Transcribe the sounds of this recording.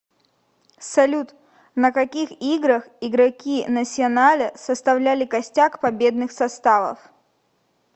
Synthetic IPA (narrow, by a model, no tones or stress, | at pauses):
sɐlʲut̪ | nəkɐkʲixiɡɾəxɪɡɾɐkʲinəsʲɪɐnalʲəsəst̪ɐvlʲælʲɪkɐsʲtʲakpɐbʲe̞d̪nɨxsɐst̪avə̰f